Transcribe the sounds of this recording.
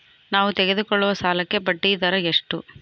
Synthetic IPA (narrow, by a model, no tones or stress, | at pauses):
naːʋut̪ɛɡe̞d̪ukɔɭːuʋɐsaːlɐkːe̞pɐʈːijd̪ɐɾɐeʂʈu